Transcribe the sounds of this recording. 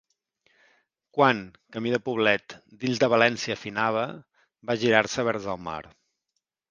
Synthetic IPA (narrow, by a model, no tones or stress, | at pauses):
kwaŋkəmiðəpuβ̞lɛt̪d̪iʎzd̪əβ̞əlɛnsiəfinaβ̞ə | baʒiɾaɾsəβ̞ɛɾzəlˠma̰ɾ